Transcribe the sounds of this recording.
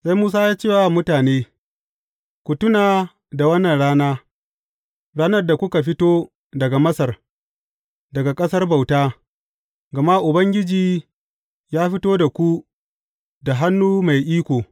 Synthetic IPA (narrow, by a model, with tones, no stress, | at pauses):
sa˦jmuː˦s̬aː˦jaː˦t͡ʃeː˦˨wa˨mʊ˦taː˨neː˦ | kʷʊ˨tʊ˦naː˨ | da˨wɐ˦nːɐ˨nɽaː˦naː˦ | ɽaː˦nɐ˦rda˨kʷʊ˦ka˨ɸɪ˦toː˦ | dɐ˨ɡa˨mɐ˦sɐ˨r | dɐ˨ɡa˨kʼɐ˦sɐ˦rba˨wtaː˦ | ɡɐ˨ma˦ʔʊ˨bɐ˦ŋɡʲɪ˦d͡ʒiː˨ | jaː˦ɸɪ˦toː˦da˨kʷu˦ | da˨ɦa˦nːuː˦ma˨jʔiː˦kʷoː˨